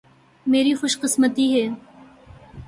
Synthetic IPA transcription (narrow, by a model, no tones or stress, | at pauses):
meːɾixʊʃqɪsmət̪iɦɛː